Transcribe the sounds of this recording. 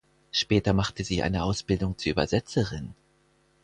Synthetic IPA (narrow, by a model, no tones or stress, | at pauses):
ʃpɛːtɐmaχtəziːʔa̰ɪnəʔaʊsb̥ɪldʊŋt͡suːɐʔyːbɐzɛt͡səʁɪn